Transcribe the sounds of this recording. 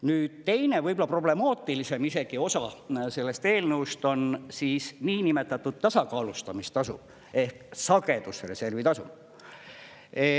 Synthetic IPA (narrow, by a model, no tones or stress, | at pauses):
nyːd̪̥̚t̪e̞jne̞vɤjbolɑpro̞ble̞mɑːt̪ːˑilise̞mise̞ɡ̥io̞sɑse̞lːe̞st̪e̞ːlneust̪o̞nsiːsniːnime̞t̪ːˑɑt̪ːˑud̪̥̚t̪ɑsɑkɑːlust̪ɑmist̪ɑsṵ | e̞hksɑɡe̞d̪̥usre̞se̞rvit̪ɑsṵ